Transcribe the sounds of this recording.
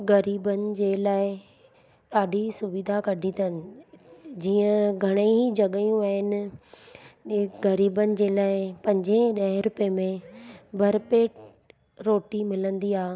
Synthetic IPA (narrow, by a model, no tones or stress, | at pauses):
ɣɐɾiːbənɪ̆d͡ʑeːlaːɪ | ɗaːɖʱisʊʋɪd̪ʱakɐɖʱit̪ənɪ̆ | d͡ʑiːə̃ɡʱɐɽ̃eid͡ʑɐɠəjũaɦɪnɪ̆ | ɡɐɾiːbənɪ̆d͡ʑeːlaːɪpɐ̃ɲd͡ʑeɗɐɦɪ̃ɾʊpemẽbʱɐɾpeːʈ | ɾoːʈimɪlə̃nd̪iaː